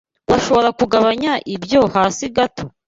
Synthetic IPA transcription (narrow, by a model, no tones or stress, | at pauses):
waʃo̞βo̞ɾakuɡaβaɲaʔibjo̞haːsiɡatʰo